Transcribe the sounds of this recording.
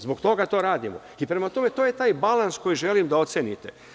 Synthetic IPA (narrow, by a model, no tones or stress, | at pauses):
zbokt̪o̞ɡat̪o̞ːɾaːd̪imo | ipɾe̞mat̪o̞me̞t̪o̞ːje̞t̪aːjbalansko̞jiʒe̞limd̪ao̞t̪senit̪e